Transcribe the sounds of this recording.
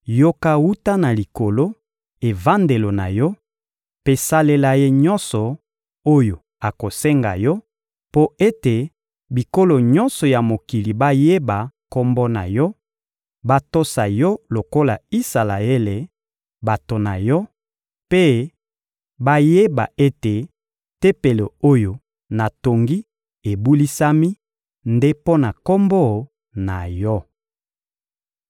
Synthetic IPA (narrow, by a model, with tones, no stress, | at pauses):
jo˦ka˦wu˦ta˦na˨li˨ko˨lo˦ | e˨va˦nde˨lo˨na̰˨jɔ˦ | pe˦sa˦le˦la˦je˦ɲɔ˦nsɔ˨ | o˦jo˨ | a˨ko˨sɛ˦ŋɡa̰˨jɔ˦ | po˦e˦te˨ | bi˨ko˦lo˨ɲɔ˦nsɔ˨ja˨mo˨ki˨li˨ba˦je˦ba˨ko˦mbɔ˦na̰˨jɔ˦ | ba˦to˦sa˨jɔ˦lo˨ko˦la˨i˦sa˨la̰˨e˦le˨ | ba˨to˨na̰˨jɔ˦ | pe˦ | ba˦je˦ba̰˨ʔe˦te˨ | te˦pe˨le˨o˦jo˨ | na˨to˨ŋɡi˦ | e˨bu˦li˦sa˦mi˦ | nde˦po˦na˨ko˦mbɔ˦˨ | na˨jɔ˦